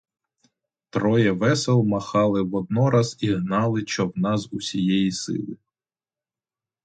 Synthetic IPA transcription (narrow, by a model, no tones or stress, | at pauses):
t̪ɾɔjɛʋɛsɛlˠmɐxɑlˠɪʋɔd̪̚nɔɾɑziɦnɑlˠɪʃt͡ʃɔwnɑzusʲijɛjisɪ̰lˠɪ